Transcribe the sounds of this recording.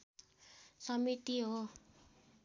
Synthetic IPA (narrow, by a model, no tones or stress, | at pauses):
sʌmit̪iɦo